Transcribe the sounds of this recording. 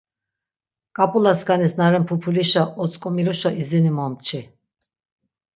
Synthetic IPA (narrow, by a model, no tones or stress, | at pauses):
kʼapʼulasɡanisnaɾɛmpʰupʰuliʃaʔɔt̪t͡sʼkʼɔmiɾuʃaʔizinimɔmt͡ʃʰi